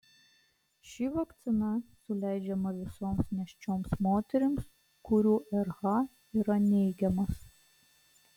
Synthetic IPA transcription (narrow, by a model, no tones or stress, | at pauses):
ʃʲiʋɐkt̪sʲɪnɐsʊlʲæɪd͡ʒʲɛmɐʋʲɪsoːmsnʲɛʃʲt͡ʃʲoːmsmoːt̪ʲɛɾʲɪms | kʊɾʲuːʔɛɾɣɑ | iːɾɐnʲɛɪɡʲɛmɐs